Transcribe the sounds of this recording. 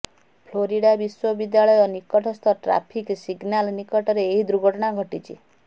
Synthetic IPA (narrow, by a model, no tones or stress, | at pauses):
pʰloɾiɽabiswɔbid̪jaɭɔjɔnikɔʈɔst̪ʰɔʈɾa̰pʰiksiɡnalnikɔʈɔɾeːɦid̪ɾuɡʱɔʈɔɽ̃aɡʱɔʈit͡ʃʰḭ